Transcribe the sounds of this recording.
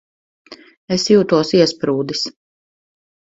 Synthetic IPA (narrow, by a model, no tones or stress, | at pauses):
esjuːt̪uɔsiɛspɾuːd̪is